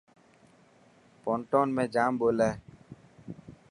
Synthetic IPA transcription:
põːɳʈoːnmẽːd͡ʒaːmboːlɛː

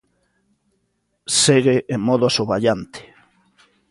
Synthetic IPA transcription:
seɣeʔemɔð̞ʊasoβaʎant̪ɪ̥

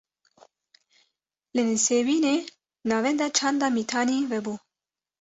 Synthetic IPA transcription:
lɨnɨseːwiːneː | nɑːvɛnd̪ɛt͡ʃʰɑːnd̪ɑːmiːt̪ʰɑːniːvɛbuː

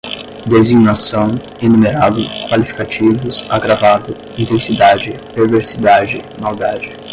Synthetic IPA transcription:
d̪eziɡnasɐ̃w̃ | enumeɾad̪ʊkwalifi̥kat͡ʃivʊsaɡɾavad̪ʊ | ĩt̪ẽsid̪ad͡ʒɪpeɾveɾsid̪ad͡ʒɪmawd̪ad͡ʒɪ

